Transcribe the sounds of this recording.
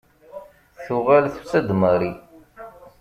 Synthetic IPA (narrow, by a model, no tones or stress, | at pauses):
θuʁælθt͡sːæd̪məɾi